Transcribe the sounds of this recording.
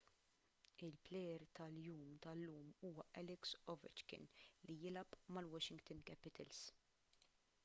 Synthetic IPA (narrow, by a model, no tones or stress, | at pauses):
ɪlplɛjɾt̪ɐljuːmt̪ɐlːuːmuːwɐʔɛlɪksɔvɪ̰t͡ʃkɪ̰nlijɪlɐpʼmɐlwɔʃɪŋɡt̪ɪnkɛpɪt̪ʰɐls